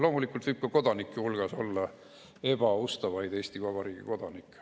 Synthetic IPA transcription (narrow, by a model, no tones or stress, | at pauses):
lo̞ːmulikːˑult̪vɯjb̥̚kɑko̞d̪̥ɑnikːˑehulɡ̥ɑso̞̰lːɑ | e̞b̥ɑost̪ɑvɑjd̪eːst̪ivɑb̥ɑɾiːɡ̥ḭko̞d̪̥ɑnikːˑ